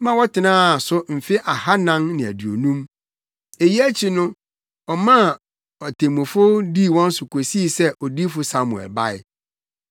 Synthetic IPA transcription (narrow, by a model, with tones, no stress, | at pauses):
mã˦wɔ˦tɪ˨nãː˦˨sʊ˦m̩˨fɪ˦ʔa˨ha˦nã˦nnɪ̃˨æ̰˨dɥo̰˨nũ˦m | e˨ji˦æ˦t͡ɕʰi˦nʊ̃˦ | ɔ˨mã˦˨ | ɔ˨tʰẽ˨mũ˨fʊ˦di˦˨wɔ̃˦n̩˦sʊ˨kʰo˨si˦˨sɛ˦ʔɔ˨di˦fʊ˦sa˦mu˨ɛ̰˨lba˦ɪ̰˨